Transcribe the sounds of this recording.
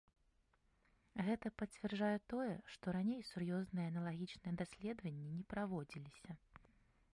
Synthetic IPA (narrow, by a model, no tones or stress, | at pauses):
ɣɛt̪ɐpɐt͡sʲvʲɛrd͡ʐajɛt̪ɔjɛʂt̪ɔɾanʲejsurjɔznɨjɛɐnɐlˠaɣʲit͡ʂnɨjɛd̪asʲlʲɛd̪vɐnʲːinʲɛpɾavɔd͡zʲilʲisʲɐ